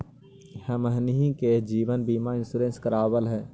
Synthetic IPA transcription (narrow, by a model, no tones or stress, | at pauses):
həməɦniɦĩked͡ʒiːbənbiːmaɪ̃nsuːɾẽːnskəɾaːbəlɦɛː